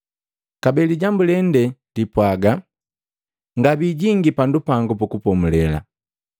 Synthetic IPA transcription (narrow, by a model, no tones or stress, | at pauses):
kabɛliɟambulɛndɛdipwaɡa | ŋɡabiɟiŋɡipandupaŋɡupukupɔmulɛla̰